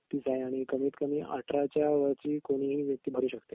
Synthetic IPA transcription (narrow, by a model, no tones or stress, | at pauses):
t̪isaeaɽ̃ikəmiːt̪kəmiːʔa̰ʈɾat͡ɕjaʋəɾt͡ɕiːkoɽ̃iːɦiːʋjək̚t̪iːbʱəɾuːɕəkt̪e